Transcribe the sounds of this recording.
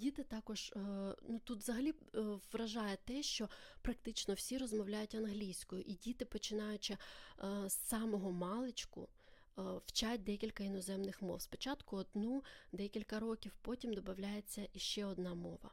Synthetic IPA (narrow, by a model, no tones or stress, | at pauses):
dʲit̪ɪt̪ɑkɔʒnut̪ut̪zɐɦɐlʲiʋɾɐʒɑjɛt̪ɛʃt͡ʃɔpɾɐk̚t̪ɪt͡ʃnɔwsʲirɔzmɔwlʲajʊtʲɐnɦlʲijsʲkɔjʊʔidʲit̪ɪpɔt͡ʃɪnɑjʊt͡ʃɪ | sːɑmɔɦɔmɑlˠɪt͡ʃkʊ̰ | w̥t͡ʃat̚ʲd̪ɛkʲilʲkɐinɔzɛmnɪxmɔ̰wspɔ̥t͡ʃɑt̪kʊɔd̪nud̪ɛkʲilʲkɐɾɔkʲiwpɔtʲimd̪ɔbɐwlʲajet͡sʲːɐʔiʃt͡ʃɛɔd̪̚nɑmɔʋɐ̰